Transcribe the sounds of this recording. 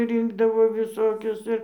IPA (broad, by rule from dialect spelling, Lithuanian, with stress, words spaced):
ˈrʲɪŋɡdɐʋoː ʋʲɪˈsoːkʲʊs ˈɪr